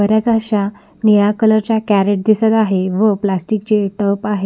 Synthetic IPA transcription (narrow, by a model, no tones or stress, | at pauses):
əɾjat͡səɕa | nijakələɾt͡ɕjakæɾeʈ̚d̪isət̪aɦeʋəplasʈikt͡ɕeʈəpaɦe